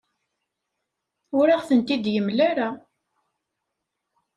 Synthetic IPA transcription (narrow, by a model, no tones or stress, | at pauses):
ʊɾaʁθənt̪id̪jəmlaɾa